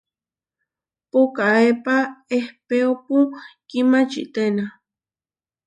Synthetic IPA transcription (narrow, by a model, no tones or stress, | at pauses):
pokaepaehpeopukimat͡ʃḭt̪ena